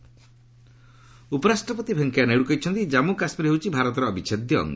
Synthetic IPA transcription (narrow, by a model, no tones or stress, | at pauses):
upɔɾasʈɾɔpɔt̪ibʱeŋkjaneɽukajt͡ʃʰɔnt̪id͡ʒamukasmiɾiɦewt͡ʃʰibʱaɾɔt̪ɔɾɔːbit͡ʃʰed̪jɔ̰ːŋɡ